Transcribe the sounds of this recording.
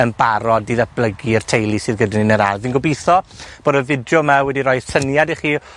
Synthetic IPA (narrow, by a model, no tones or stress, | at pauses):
ənbaɾɔdiðɛb̥lˠəɡiər̥tʰejlˠisɨðɡədaninəɾaviːnɡɔbiθɔb̥oːdəvɪdjɔmawɛdiɾɔjð̥tʰənjadiχiː